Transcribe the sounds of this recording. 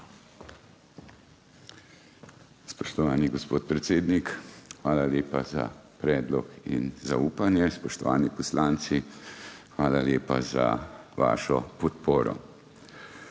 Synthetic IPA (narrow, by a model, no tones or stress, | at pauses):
spɔ̥ʃt̪ɔʋaːniɡɔspoːt̪̚pɾɛt̪seːd̪nikxʋaːlaljeːpaza̰pɾɛːd̪lɔ̰kḭnzauːpanjɛspɔʃt̪ɔʋaːnipɔslaːnt̪si | xʋaːlaljeːpaza̰ʋa̰ːʃɔpɔt̪poːɾɔ̰